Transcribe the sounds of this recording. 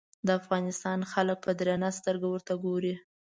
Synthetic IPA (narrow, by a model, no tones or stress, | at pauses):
d̪əafɣɑnɪst̪ɑnxalək̚pʰəd̪ɾenast̪əɾɡawəɾt̪aɡoɾi